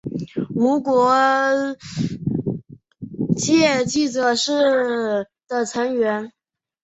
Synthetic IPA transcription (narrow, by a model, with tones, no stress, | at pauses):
mu˧˥kwɔ˧˥ | t͡ɕjɛ˥˩t͡ɕi˥˩ʈ͡ʂɤ˨˩ʂɻ̩˥˩ | d̪̥ə˨˩t͡sʰə˧˥ŋɥɛ˧˥n